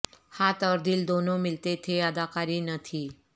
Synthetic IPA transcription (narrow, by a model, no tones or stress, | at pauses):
hat̪ɔɾd̪ild̪onomɪlt̪et̪ʰeəd̪akaɾinət̪ʰi